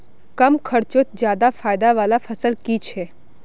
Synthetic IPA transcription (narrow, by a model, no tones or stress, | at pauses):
kəmkʰəɽt͡ʃot̪̚d͡ʒjad̪afaːjd̪aʋalafʰəsəlkit͡ʃʰe